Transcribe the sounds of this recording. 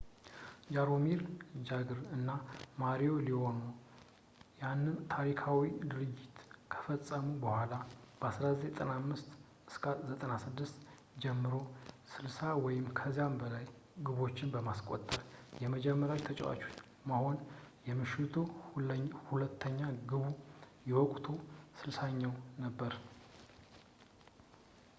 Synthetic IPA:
d͡ʒaɾomiɾd͡ʒaɡɨɾɨnːamaɾijo̞liho̞nu | janːɨnt̪ʰaɾikʰawid̪ɨɾɨd͡ʒːɪt̪kʰə̥fəsʼːəmubəhʷalab̥əasɾazeɛt̪ʼənamːɨst̪ | ɨskʰazət̪ʼənasɨd̪ːɨst̪ | d͡ʒɛmːɨɾo̞sɨlsawɔjɪmkʰəzijambəlaj | ɡɨβo̞t͡ʃːɪnbəmaskʼo̰t̪ʼːəɾjɛməd͡ʒɛmːəɾjawit̪ʰət͡ʃʼɛ̰wa̰t͡ʃo | maho̞njɛmɨʃɪt̪ʰu | hulət̪ʰːəɲːaɡɨβu | jɛwɔkʼt̪ʰosɨlsaɲːawnəbːəɾ

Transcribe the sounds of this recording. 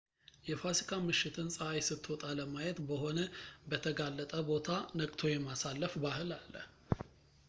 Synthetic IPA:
jɛfasi̥kʰamɨʃːɪt̪ʰɨnsʼəajsɨt̪ʰːwɔt̪ʼaləmajɛt̪bəho̞nəbət̪ʰəɡalːət̪ʼəbo̞t̪ʰanəkʼt̪ʰo̞jɛmasalːəfbahɨlalːə̰

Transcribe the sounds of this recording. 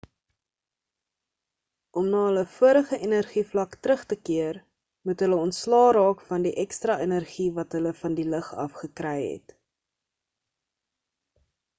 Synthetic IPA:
ʔɔmnɑːɦələfuəɾəχəʔenərχiflɐktɾəχtəkiər | mutɦələɔntslɑːɾɑːkfɐndiʔɛkstrɑːʔenərχivɐtɦələfɐndiləχɐ̰fχəkrɛjɦɛ̰t

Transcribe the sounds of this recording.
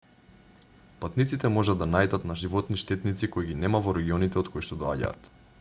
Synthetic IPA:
pat̪nit̪sit̪ɛmɔʒad̪ːanajd̪at̪naʒivɔt̪niʃt̪ɛt̪nit̪sikoiɡinɛmavoɾɛɡiɔnit̪ɛot̪kojiʃt̪ɔd̪oa̰ɟa̰ːt̪

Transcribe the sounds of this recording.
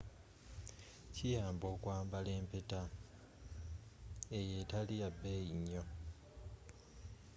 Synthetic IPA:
cijaːmbo̞ːkwaːmbale̞ːmpe̞ta | eje̞taliabːe̞jiɲːo̞

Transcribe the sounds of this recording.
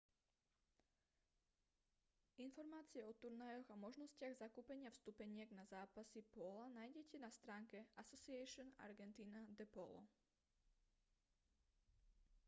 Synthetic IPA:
infɔɾmaːt͡siɛɔt̪uɾnajɔɣamɔʒnɔscɪaɣzakuːpɛɲɪafst̪upɛɲɪɛɡnazaːpasipɔlanaːjɟɛcɛnast̪ɾaːŋkɛasɔsiɛʃɔna̰ɾɡɛnt̪iːnad̪ɛpɔlɔ̰

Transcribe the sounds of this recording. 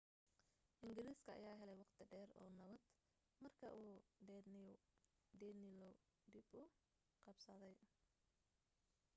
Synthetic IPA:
ʔɪŋɡɪliːskʰɐɐ̰jaːɦɛlɛjwɑqt̪ʰɪɖɛːrɔ̰ːnɐβɐd̪ | mɐrkʰɐʔuː | dɛːnɪlɔ | d̪ibʊ | qɑbsɐðɛj

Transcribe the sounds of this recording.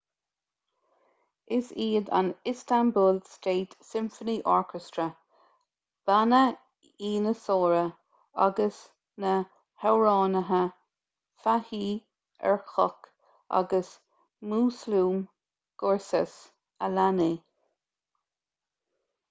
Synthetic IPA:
ɪsiːd̪a̰nɪstambuːlsteːtsɪmfəniʔɔɹkʰɛstɹə | b̥anə | iːnəsoːɹə | a̰ɡəs | nə | hɛwɹɑːnəɦə | fahiː | ɛ̰ɹxɔk | ʔa̰ɡəs | muːsluːm | ɡ̥ɔɹsɛs | alani

